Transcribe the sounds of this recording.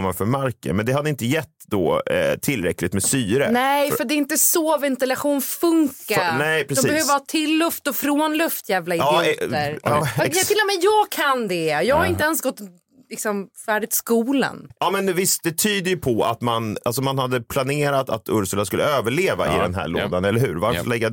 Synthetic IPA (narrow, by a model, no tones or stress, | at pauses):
manfœɾmaɾkə̰mɛnd̪ɛhad̪ːəɪnt̪əjɛtt̪ːd̪ɔ̰t̪ʰɪlːɾɛklɪt̪mɛst̪yːɾə̰nɛjfœɖd̪ɛɪnt̪əsovɛnt̪ɪlaɧuːnfɵŋkanɛɪpʰɾɛdɔsbɛhøːvəɾhɑːt̪ʰɪlːɵft̪ɔfɾoːnlɵft̪jæːvlaɪːɛəɾɛt̪ɪlːɔmɛjjɑːɡkʰand̪ɛjɑːɡhaɾɪnt̪əɛnsɡɔt̪ː | lɪksɔmfæːɖɪt̪skuːla̰nɑːmɛnvɪst̪̚d̪ɛt̪ʰyːd̪əjɵpʰɔa̰t̪manalsɔmanhad̪ːəpʰlaneːɾat̪a̰t̪ʰɵɾsəlaskɵlːəøːvəɭeːva̰ɪ̰d̪ɛnɦæ̰ːɭo̰ːd̪anɛlːəɾhʉ̟ːɾvaɾfɭɛɡːa